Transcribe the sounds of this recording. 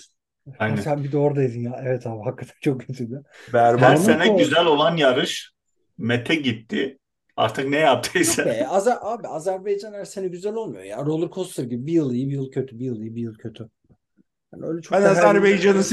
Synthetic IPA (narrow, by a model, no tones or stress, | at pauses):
hajnsænbid̪ɛoɾd̪ajid̪injaːʔɛvɛt̪ʰaːbiɦakːat̪ʰant͡ʃʰo̞k̚ɟit̪ʰind̪ɪbæɾæsenɛɟyzælʲo̞lˠanjaɾɯʃ | met̪ʰɛɟit̪ʰːɪ | a̰ɾt̪ʰɯknɛjap̚t̪ʰɯisɛeazaʔaːbiazæɾbejd͡ʒanæɾsenɛɟyzælʲo̞lˠmujo̰ja̰ːɾo̞lˠuɾkʰost̪ʰˠɯɾɟibibijɯlˠijɯbijɯlˠcʰøt̪ʰybijɯlˠijɯbijɯlˠcʰø̞t̪ʰy | haniøjlʲɛt͡ʃʰoænazæɾbejd͡ʒanɯs